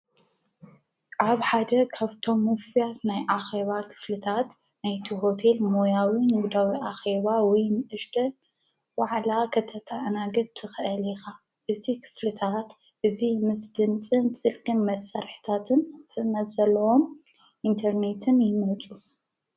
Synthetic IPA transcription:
ʔaβħad̪ɐkʰaβt̪ʰo̞mːɨfijat̪najʔaxe̞βakʰɨ̥flɨt̪ʰat̪ | najt̪ʰiɦo̞t̪ʰe̞lmo̞jawinɨɡd̪awiʔaxe̞βawɔjnʔɨʃt̪ʰɐ | waʕlakʰɐt̪ʰɐt̪ʰaʔnaɡɐd̪̚t̪ʰɨxʔɐlixa | ʔɨt̪ʰikʰɨ̥flɨt̪ʰat̪ | ʔɨzimɨsd̪ɨnt͡sʼɨnt͡sʼɨlkʼɨnmɐsːaɾħi̥t̪ʰat̪ʰɨnfɨnɐt̪zɐlːɐwo̞m | ʔint̪ʰɐɾne̞t̪ʰɨnjɪmɐt͡sʼu

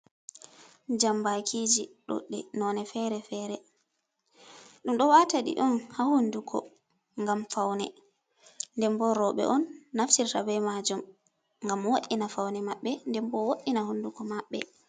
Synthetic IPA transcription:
d͡ʒambakʰid͡ʒiɗo̰ɗːɛ̰nɔnɛfɛɾɛfɛːɾɛ | ɗumɗɔwataɗḭʔɔnhahundukʰɔ̰ | ŋɡamfawnɛ | ndɛmbɔɾɔɓɛ̰ʔɔnːaftiɾtabɛjmad͡ʒum | ŋɡamwoɗːinafawnɛmaɓːɛndɛmbɔwoʔːinahundukɔmaɓːɛ

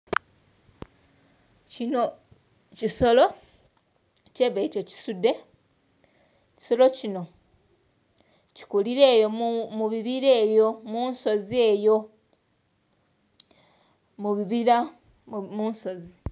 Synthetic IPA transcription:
cino | ciso̞lo̞ | ceβeitoci̥sude̞ | ci̥so̞lo̞cino̞ | ci̥kuliɾe̞ːjo̞muβiβiɾe̞ːjo̞munso̞ze̞ːjo̞ | muβiβiɾa | munso̞zi

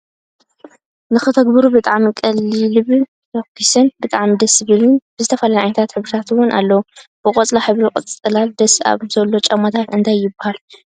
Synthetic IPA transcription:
nɨxɨt̪ʰɐɡbɨɾubɨt̪ʼaʕmikʼɐlːilɨβ | okʰːisɐnbɨt̪ʼaʕmid̪ɐsɨβɨlunbɨzɨt̪ʰɐfalajʕajnɐt̪ʰat̪ħɨβɾɨt̪ʰat̪wʊnʔa̰lːɐwb̥ɨqʼɐt͡sʼlaħɨβɾiqʼɨt͡sʼɨlald̪ɐsa̰βzɐlːo̞t͡ʃʼɐmːɐt̪ʰat̪ɨnt̪ʰajːɪbːahal

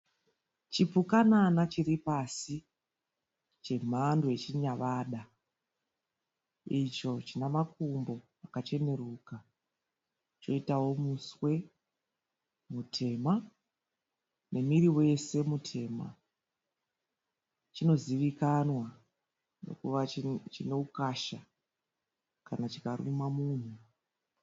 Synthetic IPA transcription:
t͡ʃipukananat͡ʃiɾipasi | t͡ʃe̞m̤andoet͡ʃiɲaʋaːɗa | it͡ʃo̞t͡ʃinamakumbo̞ | akat͡ʃe̞ne̞ruka | t͡ʃo̞̰itawo̞muswe̞ | mutʰe̞ːma | ne̞miriwe̞se̞mutʰe̞ːma̰ | t͡ʃino̞ziʋikanwa | no̞̰kuʋat͡ʃine̞ukaʃa | kanat͡ʃikarṵmamuːn̤u

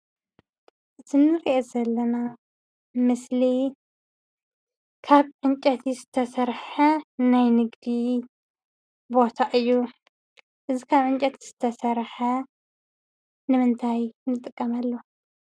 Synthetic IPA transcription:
ʔɨt̪ʰinɨɾiʔezɐlːɐna | mɨsli | kʰaβʕɨnt͡ʃʼɐt̪ʰizɨt̪ʰɐsɐɾħɐnajnɨɡd̪i | bo̞t̪ʰaʔɨjːu | ʔɨzikʰaβʕɨnt͡ʃʼɐt̪z̥ɨt̪ʰɐsɐɾħɐ | nɨmɨnt̪ʰajnɨt̪ʼɨkʼːɐmalːo

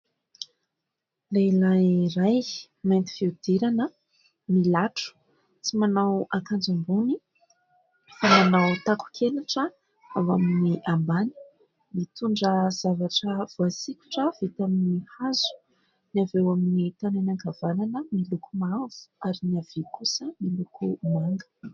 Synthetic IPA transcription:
lelajɾaj | majnt̪i̥fiud̪̥iɾanə | milaʈ͡ʂu̥ | t͡simanawakand͡ʒambuni | famanawt̪aku̥kʰelaʈ͡ʂə | awa̰miniʔambani̥ | mit̪uɳɖ͡ʐəz̥avaʈ͡ʂəv̥uasikʲu̥ʈ͡ʂəv̥it̪aminihazu̥ | niavewaminit̪ananaŋɡav̥ananəmilukumavu̥aɾiniav̥ekusəmilukumaŋɡə̥

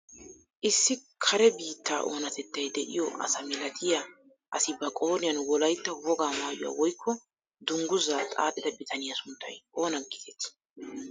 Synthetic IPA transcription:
ʔɪsːɪkʰɐɾɛbiːt̪ːaːʔo̞ːnɐt̪ɛt̪ːɐjd̪ɛʔɪ̰jɔʔɐ̰sɐmɪlɐt̪ʰɪja | ʔɐsɪbɐkʼoːnɪjɐnwɔlɐjt̪ːɐwɔɡaːmaːjʊ̰wa̰ːwɔjkʰːɔ | d̪ʊŋɡʊzaːt̪ʼa̰ːt̪ʼːɪd̪ɐbɪt̪ʰɐnɪjɐsʊnt̪ːɐjo̞ːnɐɡɪt̪ɛt̪

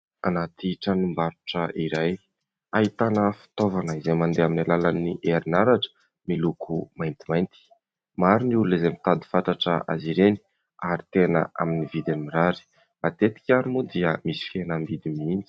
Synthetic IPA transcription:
anat̪iʈ͡ʂənimbaɾuʈ͡ʂəʔiɾaj | aɦit̪anəfi̥t̪ovanəizejmand̪eaminalalaniʔeɾinaɾaʈ͡ʂə̥ | milukʰumajnt̪imajnt̪i̥ | maɾiniululezemit̪ad̪i̥fat̪aʈ͡ʂə̰ʔa̰ziɾeni̥ | aɾit̪enə̰a̰minivid̪inimiɾaɾi̥ | mat̪et̪i̥kʲaɾimud̪iəmisi̥fienambid̪imind͡ʒi̥

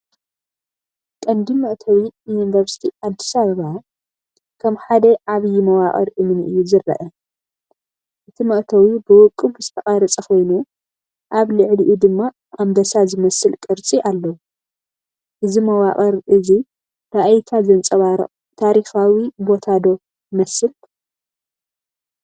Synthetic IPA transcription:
kʼɐnd̪imɐʔt̪ʰɐwijunvɐɾsi̥t̪ʰiʔad̪ːi̥saβɐβa | kʰɐmħad̪ɐʔaβɨjimɐwaχʼɐ̰ɾʔɨmnʔɨjːuzɨrːɐ̰ʔɐ | ʔɨt̪ʰimɐʔt̪ʰɐwibɨwɔkʼːɨbɨzɨ̥t̪ʰɐkʼaɾɐt͡sʼɐkʰo̞jnu | ʔaβlɨʕliʔud̪ɨmːa | ʔambɐsazɨmɐsɨlkʼɨɾt͡sʼiʔalːɐwu | ʔɨzimɐwaχʼɐɾʔɨzi | ɾaʔjt̪ʰazɐnt͡sʼɐβaɾɐ̰ | t̪ʰaɾixawibo̞t̪ʰad̪o̞ | mɐsɨl

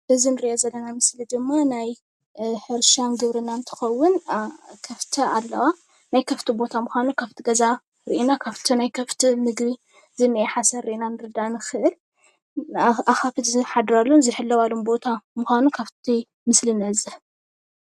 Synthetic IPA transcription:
ʔɨzinɨɾiʔozɐlːɐnamɨslid̪ɨmːanaj | ħɨɾʃamɡɨβɾɨnant̪ʰɨ̥xɐwːʊnkʰɐft̪ʰɐalːɐwa | najkʰɐft̪ʰibo̞t̪ʰamɨxʷanukʰaβt̪ʰiɡɐza | ɾɨʔinakʰaβt̪ʰinajkʰɐft̪ʰimɨɡbi | zɨnːɨjɛħasɐɾːɨʔinanɨɾɨd̪anɨxɨʔɨl | ʔaxafɨt̪zɨħad̪ɾalːunzɨħɨlːɐwalumbo̞t̪ʰamɨxʷanukʰaβt̪ʰi | mɨslinɐzɨħ

